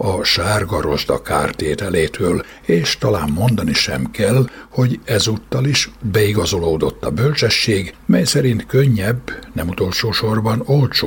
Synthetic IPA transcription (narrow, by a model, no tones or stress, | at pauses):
ɒʃaːrɡɒɾo̞ʒd̪ɒ̰ka̰ːrt̪eːt̪ɛleːt̪ʰøːl | eːʃt̪ɒlaːmmo̞nd̪ɒniʃɛ̰mkɛlho̞ɟɛzuːt̪ːɒliʃbɛiɡɒzo̞loːd̪o̞t̪ːɒbølt͡ʃɛʃːeːɡmɛjsɛɾint̪køɲːɛbːnɛmut̪o̞lʃoːʃo̞rbɒno̞lt͡ʃo